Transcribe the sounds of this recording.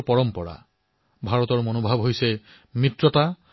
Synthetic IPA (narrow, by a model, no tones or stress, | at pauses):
pɔɹɔmpɔɹa̰ | bʱaɹɔtɔɹmonobʱabɦojsɛ | mɹitɹɔta